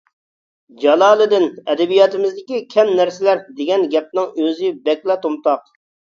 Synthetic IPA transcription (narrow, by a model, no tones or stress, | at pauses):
d͡ʒɑlˠɑːlˠɨd̪ɪnɛd̪ɛbijɑt̪ɪmɪzd̪ɪkʲikʲʰɛmnæɾsɪlæɾd̪ɪɡʲɛnɡʲɛp̚nɪŋøzɪbɛkʲlɛt̪omt̪ɑq